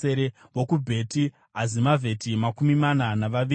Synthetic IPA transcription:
eɾe | wokubʱe̞ti | ɦazimavʱe̞timakumimananaʋaʋi

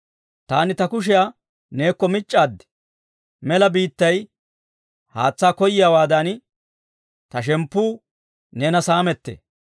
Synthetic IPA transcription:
t̪aːnɪt̪ɐkʊʃ̬ɪja | ne̞ːkːɔmɪt͡ʃʼːaːd̪ːɛ̥ | mɛlɐbiːt̪ːɐj | ha̰ːt͡sːaːkɔjɪjawaːd̪ɐn | t̪ɐʃ̬ɛmpːuː | neːnɐsaːmɛt̪ːḛː

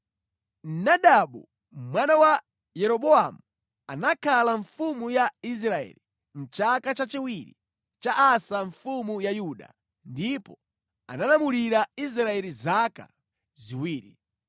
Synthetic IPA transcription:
nnaɗaɓṵ | mwanawa | jɛɾɔɓɔamu | anakʰalaɱfumujais̬ɾaɛ̰li | n̩t͡ʃakat͡ʃat͡ʃiwiɾḭ | t͡ʃaʔasaɱfumujajuɗa̰ | ndipɔ | a̰nanamuliɾais̬ɾaɛlizaka̰ | ziwiːɾi

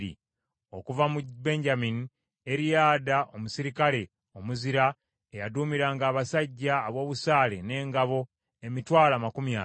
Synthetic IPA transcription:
ɾḭ | o̞kuvamube̞ɲɟamini | e̞ɾijaːdaʔo̞musiɾikale̞ | o̞muziɾa | ejaduːmiɾaːŋɡaːβasaɟːaːβwo̞ːβusaːle̞̰ne̞ːŋɡaβo̞ | e̞mitwaːlamakumja

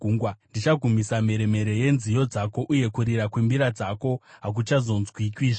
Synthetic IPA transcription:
ɡuŋɡwandit͡ʃaɡʱumisame̞ɾe̞me̞ɾe̞je̞nzijo̞d͡zako̞ʔuje̞kuɾiɾakwimbiɾad͡zako̞ɦak̬ut͡ʃazo̞nzwikwiːʐ

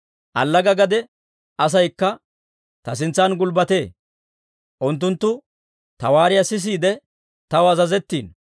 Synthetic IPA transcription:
ʔɐ̰lːɐɡɐɡɐd̪ɛ | ʔɐs̬ɐjkːɐ | t̪ɐs̬ɪnt͡sːɐnɡʊlbɐt̪e̞ː | ʔʊnt̪ːʊnt̪ːʊ | t̪ɐwaːɾɪjɐsɪs̬iːd̪ɛ | t̪ɐwɐzɐzɛt̪ːḭːn

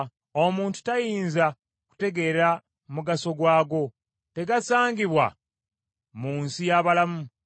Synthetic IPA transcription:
omuːntu̥tajiiːnza | ku̥te̞ɡe̞ɾa | muɡaso̞ɡwaːɡo̞ | te̞ɡasaːŋɡiβwa̰ | muːnsijaβalamu

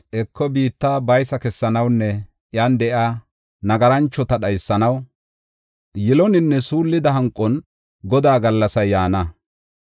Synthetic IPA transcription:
ʔɛkːɔbiːt̪ːaːbɐjsɐkɛsːɐnɐwnːɛ | ʔjaːnd̪ɛʔa | nɐɡɐɾɐnt͡ʃːɔt̪ɐɗɐjsːɐnɐw | jɪlɔnɪnːɛsuːlːɪd̪ɐɦɐŋkʼːɔn | ɡɔd̪aːɡɐlːɐsɐjːaːnɐ

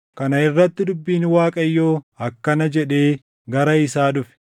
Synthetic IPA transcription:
kɐnɐɪrːɐt̪ːɪd̪ʊbːiːnwaːkʼɐjːo̞ː | ɐkːɐnɐd͡ʒɛᶑe̞ː | ɡɐɾɐɪsaːᶑʊfɛ̥

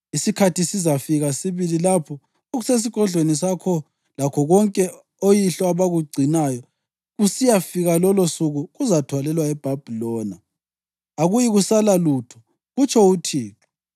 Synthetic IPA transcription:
isikʰatʰisizafiɣasiβililapʰɔ | oɣuses̬iɡ̥ʱɔɮʱwenisakʰɔ | lakʰɔɣɔŋkʼɛ | ojiɬɔaβaɣuɡ͡ǀʱinajɔ | ɣusijafiɣalɔlosuɣuɣuzatʰwalɛlwaɛb̥ʱab̥ʱilɔːna | aɣujiɣusalalutʰɔ̥ | ɣut͡ʃʰɔutʰiːkɔ

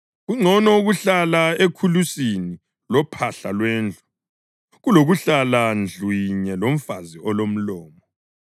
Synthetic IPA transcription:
ɣuŋ͡ǀʱɔnɔuɣuɬalaekʰulusini | lɔpʰaɬalwɛːnd͡ɮʱu̥ | ɣuloɣuɬaland͡ɮʱwiɲɛlom̩faziɔlom̩lɔːmɔ

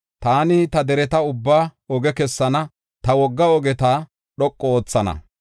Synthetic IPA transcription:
t̪aːnɪt̪ɐd̪ɛɾɛt̪ɐʊbːaːɔɡɛkɛsːɐnɐ | t̪ɐwɔɡːɐɔɡɛt̪ɐ | ɗɔkʼːɔoːt͡sːɐnɐ̰

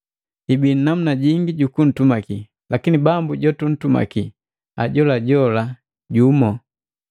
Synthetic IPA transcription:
hibinam̩unaɟiŋɡiɟukun̩tumaki | lakinibambuɟɔtun̩tuma̰ki | a̰ɟɔlaɟɔla | ɟumɔ

